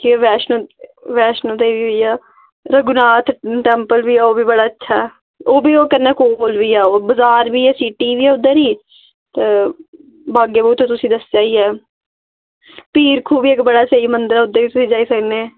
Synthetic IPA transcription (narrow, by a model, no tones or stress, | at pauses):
kiʋɛːʃnoʋɛːʃnõːt̪eːʋiːɦoiːɛː | ɾəɡʊnaːt̪ʰʈɛːmpəlbiːɛːoːbiːbəɽaːətːʃʰaːɛː | oːbiːoːkəɾnɛːkolbiːɛːoːbəzaːɾbiːɛːsiːʈiːʋiːɛːʊd̪ːeɾiː | t̪eː | baːɡeːbuːt̪õːt̪ʊsĩːd̪əsd͡ʒaːiɛː | piːɾkʰuːbiːɪkbəɽaːsəiːmənd̪əɾaːʊd̪ːeːʋiːt̪ʊsĩːd͡ʒaːiːsəkneː